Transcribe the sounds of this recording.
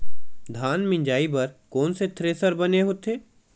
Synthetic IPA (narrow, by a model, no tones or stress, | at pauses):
d̪ʱaːnmɪ̃ɲd͡ʒaːibɐɾkɔːnset̪ʰɾeːsəɾbɐneɦoːt̪ʰeː